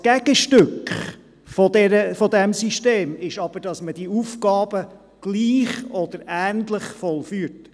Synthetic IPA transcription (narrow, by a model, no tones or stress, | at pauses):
ɡ̥æɡ̥əʃtʏkχ | fɔd̪ɛɾəfɔd̪ɛmsiʃteːmɪʃɑb̥əɾd̥ɑsməd̥iufɡɑːb̥ə | ɡ̥liːχɔd̪əɾæːnd̪ləχfɔlfyːt